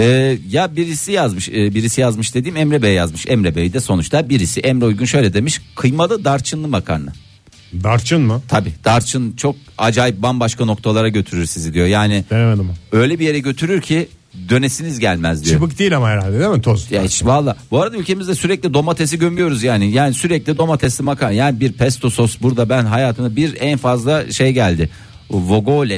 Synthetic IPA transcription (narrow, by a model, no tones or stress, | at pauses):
ɛːjabiɾisijazmɯʃɯːbiɾisijazmɯʃd̪e̞d̪iːmɛmɾɛbejjazmɯʃɛmɾebejid̪ɛso̞nut͡ʃt̪ˠabiɾisiʔɛmɾoujɡunʃø̞jlʲɛd̪e̞miʃkʰɯjmalˠɯd̪aɾt͡ʃʰɯnˠɯbakʰa̰ɾna̰ | d̪aɾt͡ʃʰɯnmɯt̪ʰabiːd̪̥aɾt͡ʃʰɯnt͡ʃʰo̞k̚a̰d͡ʒaːjip̚banbaʃkano̞k̚t̪ʰalˠaɾaɟø̞t̪ʰyɾyɾsizid̪ijo̞jaːnɪemed̪imø̞jlʲebije̞ɾɛɟø̞t̪ʰyɾyɾcʰi | d̪ø̞nesinizɟælʲmæzd̪it͡ʃjɯpɯk̚d̪ijːlʲamaɦeɾalʲd̪ʲed̪eɾmt̪ʰozjait͡ʃvalˠːaːbuaɾad̪aylʲcʰe̞mizd̪ɛsyɾɛclʲid̪o̞mat̪ʰes̬iɟømyjo̞ɾuzjaːnɪjaːnisyɾɛclʲid̪o̞mat̪ʰɛsibakajaːnibiɾpʰɛst̪ʰo̞so̞sbuɾd̪abænɦajaːt̪ʰɯnabiɾænfazlˠaʃejɟælʲd̪ɪ | vo̞ɡolʲɛ